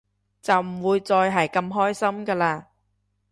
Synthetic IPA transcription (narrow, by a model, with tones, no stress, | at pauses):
t͡sɐ˨wm̩˨˩wuː˨˧jt͡sɔː˧jɦɐ˨jkɐ˧mɦɔː˥jsɐ˥mkɐː˧laː˧